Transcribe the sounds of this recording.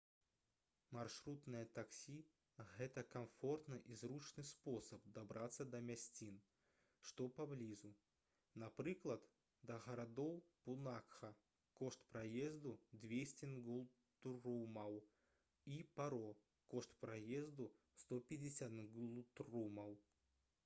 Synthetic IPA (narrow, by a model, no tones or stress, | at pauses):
mɐrʂɾut̪nəjət̪ɐksʲi | ɣɛt̪əkɐmfo̞rt̪nɨʔizɾut͡ʃnɨjsposəp̚d̪ɐbɾʔat̪sːəd̪ɐmʲasʲtʲin | ʂt̪opɐblʲizʊ | nɐpɾɨklˠɐt̪ | d̪ɐɣɐɾad̪owpʊnakxɐ | koʂt̪pɾɐjezd̪ʊd̪vʲesʲtʲɪnɡulˠ | t̪rumɐw | ipɐɾo | koʂt̪pɾɐjezd̪ʊ | st̪opʲɪdʲɪsʲat̪nɡlˠut̪rumɐw